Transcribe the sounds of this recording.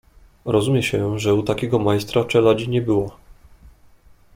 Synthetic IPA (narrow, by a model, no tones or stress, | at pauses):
ɾɔzumʲjɛɕɛʐɛut̪akʲɛɡɔmajst̪ɾat͡ʂɛlad͡ʑiɲɛbɘwa